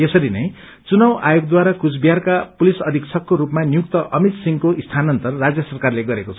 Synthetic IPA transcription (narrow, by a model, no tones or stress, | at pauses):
esʌɾinʌj | t͡sunʌwʔajoɡ̚d̪waɾakut͡sbijarkapulisʌd̪ʱikt͡sʰʌkːoɾupmanijukt̪ʌʔʌmit̪siŋkoʔist̪ʰanʌnt̪ʌrːad͡zjʌsʌrkarleɡʌɾekot͡sʰʌ